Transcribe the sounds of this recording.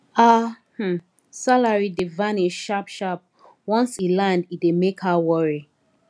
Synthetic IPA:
ahm̩ | salaɹidivãneʃapʃap̚ | wɔ̃nsilãndidemekhawɔɹi

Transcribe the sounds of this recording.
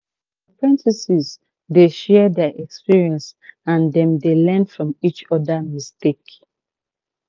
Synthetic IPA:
dəpɹɛ̃ntisiz | deʃɛdɛʔɛkspiɹiɛ̃nsãndɛ̃mdelɛ̃nfɹɔ̃mit͡ʃɔdamistek

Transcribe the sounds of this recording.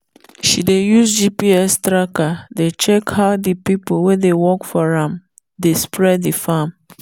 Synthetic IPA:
ʃidejusd͡ʒipiɛstɾakadet͡ʃɛkhaʊdipipowedewɔkfɔɹãm | despɹɛddifam

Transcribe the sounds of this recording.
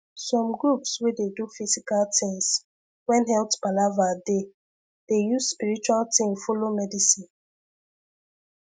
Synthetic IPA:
sɔ̃mɡɹupswededufizikaltʰĩŋs | wɛ̃nhɛltb̥alavade | d̥ejusspiɹit͡ʃualtĩmfɔlomɛdisĩn

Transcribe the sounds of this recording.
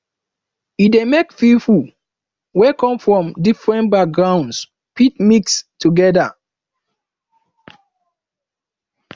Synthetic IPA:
idemekfifu | wɛkɔ̃mfɹɔ̃mdifɹɛ̃nbak̚ɡɹãʊ̃nds | pʰitmikstʰuɡɛda

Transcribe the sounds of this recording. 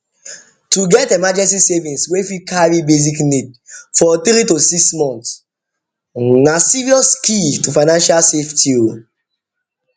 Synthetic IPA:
tuɡɛtemad͡ʒɛ̃nsisevĩnswefikʰaɹibeziknid̚fɔt̪ɾitosiksmɔ̃nts | nasiɹiɔskitufaɪnãnʃalseftʰil

